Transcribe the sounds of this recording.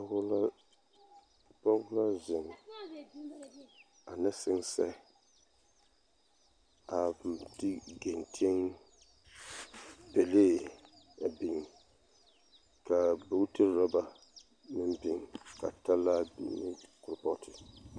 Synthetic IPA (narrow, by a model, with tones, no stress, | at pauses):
l | pa˦wʊ˦la˦zɪ˨ŋ˨ | a˨nɛ˦sɪ˦ŋsɛ̰˦ | a˨dɪ˦ɡe˨ntʰi˦ɛ˦ŋ | pɛ˨leː˦˨ | a˨bɪ˨ŋ˨ | ka˨bo˦tɨ˦ɾɾa˦ba˨ | nɪ˦mbɪ˨ŋ˨ka̰˨ta˦la˦bḭ˨nɪ˦kʊ˨ɾpɔ˦tʰɪ˨